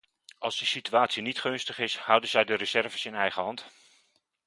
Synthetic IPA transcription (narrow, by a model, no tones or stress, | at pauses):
ʔɑlˠzdisityaːtsinitχɵnstəχɪshʌwdənzɛjdərəzɛrvəsɪnɛjχəɦɑnt